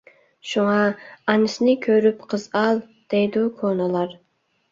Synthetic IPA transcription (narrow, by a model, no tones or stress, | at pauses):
ʃuŋɑɑnɨsɪnɪkʲʰøɾypqʰəzɑlˠ | d̪̥ejd̪ukʰonɨlˠɑɾ